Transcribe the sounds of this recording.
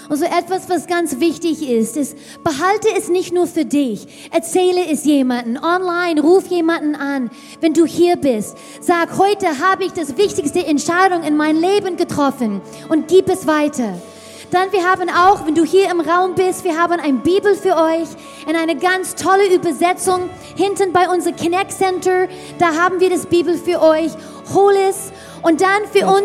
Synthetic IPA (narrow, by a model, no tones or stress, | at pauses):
ʊnzoːʔɛtv̥asv̥asɡ̥ant͡svɪçtɪçɪstɛs | b̥əɦaltəɛsnɪçtnuːɐfyːɐdɪç | ʔɛɐt͡sɛːləɛsjeːmandn̩ʔɔnlaɪnʁuːfjeːmandn̩an | vɛnduːhiːɐbɪst | z̥aːkhɔʏtəɦaːbəɪçd̥asvɪçtɪçstəɛntʃaɪɾʊŋɪnmaɪnleːbənɡətʁ̥ɔfən | ʔʊntɡ̥iːpɛsv̥aɪtʰɐ | d̥anviːɐɦaːbənaʊxvɛnduːhiːɐɪmʁaʊmbɪstv̥iːɐɦaːbənaɪnbiːbl̩fyːɐʔɔʏç | ɪnaɪnəɡant͡stʰɔləyːbɐzɛt͡sʊŋ | hɪntənbaɪʊnzəʁəkʰnɛksɛntə˞ | d̥aːɦaːbn̩viːɐdasb̥iːbl̩fyːɐʔɔʏç | hoːlɪs | ʔʊnt̚d̥anfyːɐʔʊn